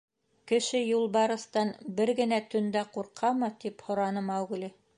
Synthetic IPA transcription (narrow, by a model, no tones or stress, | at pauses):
kɘ̆ʃɘjulˠbɑɾɤ̆st̪ɑnbɘɾɡɘ̆næt̪ɵ̆nd̪æquɾqʰɑmɤt̪iphŏɾɑnɤmɑwɡ̆li